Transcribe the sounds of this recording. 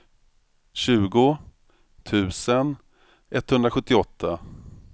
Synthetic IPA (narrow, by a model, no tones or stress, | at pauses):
ɕʉ̟ːɡʊ | t̪ʰʉ̟ːsən | ʔɛt̪ːhɵnd̪ɾaɧɵt̪ːɪɔt̪ʰːa